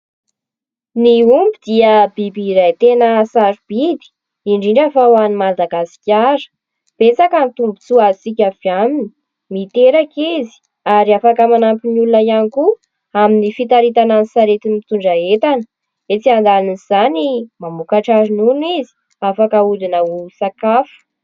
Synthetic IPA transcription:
niumbid̪iəbibiɾajt̪enəsaɾub̥id̪i̥ | iɳɖ͡ʐiɳɖ͡ʐafawanimad̪aɡasi̥kʲaɾə̥ | b̥et͡sakənt̪umbut͡suat͡sikʲafjamini̥ | mit̪eɾakizi̥ | aɾiafakəmanampinulunəjaniku | aminifit̪aɾit̪ananisaɾet̪inmit̪uɳɖ͡ʐaet̪anə | et͡siand̪aniz̥animamukaʈ͡ʂaɾinunizi̥ | afakəulinəusakafu̥

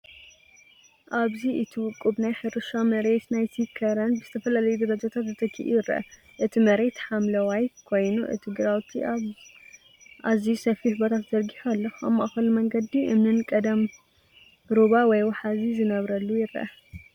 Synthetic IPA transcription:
ʔaβziʔɨt̪ʰiwʊkʼːubnajħɨɾɨʃamɐɾet̪najsikʰɐɾɐnbɨzɨt̪ʰɐfɐlalɐjud̪ɐɾɐd͡ʒat̪ʰat̪zɨt̪ʰɐkʰḭʔṵjɪrɐ̰ʔɐ̰ | ʔɨt̪ʰimɐɾet̪ħamlɐwajkʰo̞jnuʔɨ̰t̪ʰiɡɨɾawt̪ʰi | ʔazisɐfihbot̪ʰat̪zɐɾɡiħalːɐxamːʔaxɐlumɐŋɡɐd̪iʔɨmnɨnkʼɐd̪ɐm | ɾuβawɔjwɐħazizɨnɐβɾɐlːujɪrɐ̰ʔɐ̰

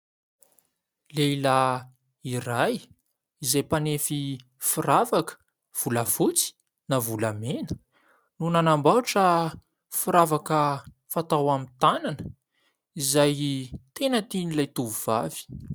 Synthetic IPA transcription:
lela | iraj | izajpanefi | furavakə̥ | v̥uləfut͡si̥ | navulamenə̥ | nunanambaʈ͡ʂə | fuɾavakə | fat̪awamint̪ananə | izajt̪enət̪inilajt̪uvuv̥av̥i̥

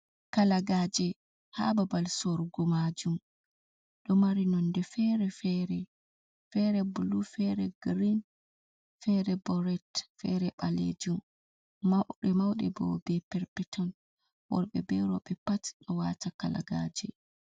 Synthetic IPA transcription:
kalaɡaːd͡ʒɛ | ha̰babalsɔɾɡɔmad͡ʒum | ɗɔmaɾinɔndɛfɛɾɛfɛɾɛ | fɛɾɛbulufɛɾɛɡɾin | fɛɾɛbɔɾɛtfɛɾɛɓalḛd͡ʒum | mawɗɛmawɗɛ̰bɔ̰bɛpɛɾpɛtʰɔn | wɔ̰ɾɓɛ̰bɛɾɔ̰ɓɛpati̥ɗɔwatakala̰ɡaːd͡ʒɛ

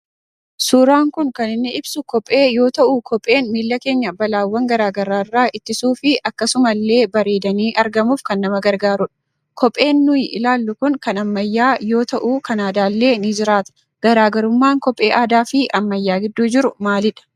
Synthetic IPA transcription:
suːɾaːŋkʊŋkɐnɪnːɛɪbsʊkɔpʼːe̞ːjo̞ːt̪ɐʔukʰɔpʼːe̞ːnmiːlːɐke̞ːɲːɐbɐlaːwːɐŋɡɐɾaːɡɐɾaːrːaːʔɪt̪ːɪsuːfɪʔɐkːɐsʊmɐlːe̞ːbɐɾe̞ːd̪ɐniːʔɐɾɡɐmuːfkɐnːɐmɐɡɐɾɡaːɾʊᶑɐ̥ | kɔpʼe̞ːnːʊjɪ̰laːlːʊkʊŋkɐnɐmːɐjːaːjo̞ːt̪ɐʔuːkɐnaːd̪aːlːe̞ːnɪd͡ʒɪɾaːt̪ɐ̥ | ɡ̥ɐɾaːɡɐɾʊmːaːŋkɔpʼːe̞ːʔaːd̪aːfɪʔɐmːɐjːaːɡɪd̪ːuːd͡ʒɪɾʊmaːlɪᶑɐ̥

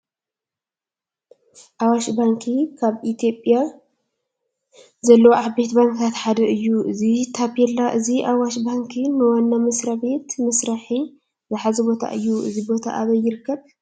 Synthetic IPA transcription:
ʔawaʃbaŋkʰikʰaβit̪ʰo̞pʼja | zɐlːɐwʕabe̞t̪baŋkat̪ħad̪ɐʔɨjːuʔɨzit̪ʰapɛlːaʔɨziʔawaʃbaŋkʰinɨwanːamɐsɾabe̞t̪mɐsɾaħi | zɨħazɐbo̞t̪ʰa̰ʔɨjːuʔɨ̰zibo̞t̪ʰa̰ʔaβɐjːɪɾɨkːɐβ

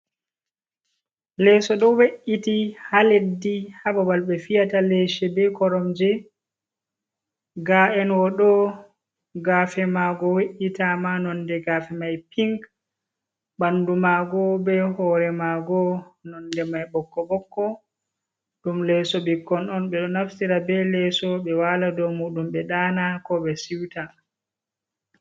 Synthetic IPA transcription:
lɛsɔɗɔweʔitihaledːihabawalɓɛfijataleʃɛbɛkɔɾɔmd͡ʒɛ | ɡaʔɛnwɔɗɔ | ɡaːfɛmaɡɔweʔitamanɔndɛɡafɛmajpʰiŋk | bandumaɡɔbɛhɔɾɛmaɡɔnɔndɛmajbɔkːɔbɔkːɔ | ɗumlɛsɔbikːɔnɔnɓɛɗɔnafsiɾabɛlɛsɔbɛwaːladɔmuːɗumbɛɗaːnakɔɓɛsiwta

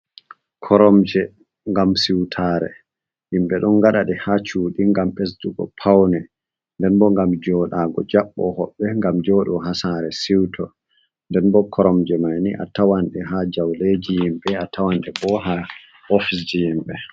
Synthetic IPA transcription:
kʰɔɾɔmd͡ʒɛ | ŋɡamsiwtʰaːɾɛ̰ | himɓɛɗɔnɡaɗaɗɛhat͡ʃuːɗiŋɡamʔesduɡɔ̰pʰawnɛ | ndɛnbɔŋɡamd͡ʒɔɗaːɡɔ̰d͡ʒaɓːɔhɔɓːɛŋɡamd͡ʒɔːɗɔɦasaɾɛsiwtʰɔ | ndɛnbɔkʰɔɾɔmd͡ʒɛmajniʔa̰tawanɗɛɦad͡ʒawled͡ʒijimɓɛatʰawanɗɛbɔɦa | ɔfisd͡ʒijimɓɛ

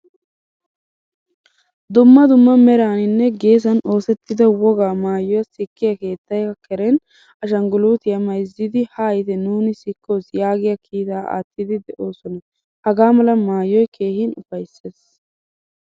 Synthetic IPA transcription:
d̪ʊmːɐd̪ʊmːɐmɛɾaːnɪnːɛɡe̞ːs̬ɐno̞ːsɛt̪ːɪd̪ɐwɔɡaːmaːjɔjɐsɪkːɪjɐke̞ːt̪ːɐjɐkɛɾɛn | ɐʃ̬ɐŋɡʊluːt̪ɪjɐmɐjzːid̪ɪhaːjt̪ɛnuːnɪsɪkːo̞ːsjaːɡɪjɐkʰiːt̪aːʔa̰ːt̪ːɪd̪ɪd̪ɛʔo̞ːsɔnɐ | hɐɡaːmɐlɐmaːjɔjkʰe̞ːhɪnʊfɐjsːeːs

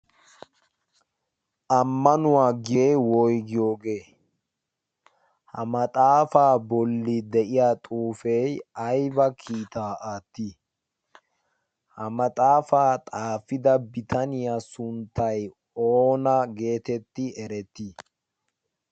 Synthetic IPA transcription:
ʔɐmːɐnʊwaːɡejwɔjɡɪjo̞ːɡeː | hɐmɐt̪ʼaːfaːbɔlːɪd̪ɛʔɪjaːt̪ʼuːfɛjɐjbɐkʰiːt̪aːʔaːt̪ːi | hɐmɐt̪ʼaːfaːt̪ʼaːfɪd̪ɐbɪt̪ʰɐnɪjaːsʊnt̪ːɐj | oːnɐɡe̞ːt̪ɛt̪ːɪɛɾɛt̪ːi

